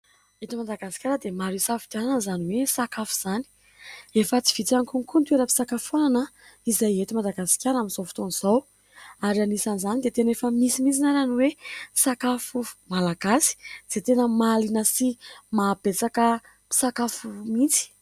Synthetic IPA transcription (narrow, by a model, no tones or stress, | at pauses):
et̪imad̪aɡasi̥kʲaɾəd̪emaɾisafi̥d̪anananzaniwesakafu̥z̥ani̥ | efət͡si̥v̥it̪aŋkunikunt̪weɾəpi̥sakafananə | izajet̪imad̪aɡasi̥kʲaɾaminzowfi̥t̪oniz̥aw | aɾanisanizanid̪et̪enefəmisimit͡sinaɾaniwesakafumalaɡasi̥z̥et̪enəmalinəsimab̥et͡sakə | pi̥sakafumit͡si̥